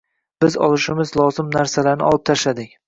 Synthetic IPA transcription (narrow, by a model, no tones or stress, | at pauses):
b̥ɪzɒ̰lˠɪʃɪmɪzlˠɒzɪmnaɾsalaɾnɪ̰ɒlˠɪp̚t̪ʰaʃlad̪ɪk̚ʲ